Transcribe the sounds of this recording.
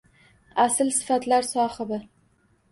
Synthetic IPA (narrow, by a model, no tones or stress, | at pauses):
asɪlsɪ̥fat̪laɾsɒhɪbɪ